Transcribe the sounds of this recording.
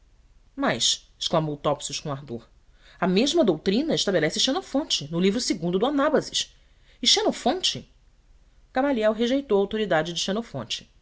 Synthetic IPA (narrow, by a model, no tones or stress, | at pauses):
mɐjʃɪ̥ʃklamowt̪ɔpsuʃkõaɦd̪oɾ | ɐmeʒmɐd̪owt̪ɾĩnɐɪʃt̪abelɛsɪʃenofõnt͡ʃɪnʊlivɾʊsɪɡũd̪ʊd̪ʊanabɐzɪʃ | ɪʃenofõnt͡ʃɪ | kamaliɛwɦeʒejt̪owɐawt̪oɾid̪ad͡ʒɪd͡ʒɪʃenofõ̰nt͡ʃɪ̥